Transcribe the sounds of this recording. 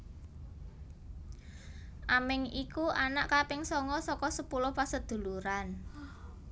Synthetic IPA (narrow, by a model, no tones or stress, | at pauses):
ʔamɪŋikuʔanaʔkapɪŋsɔŋɔsɔkɔsəpulʊhpasəd̪̥ṳluɾan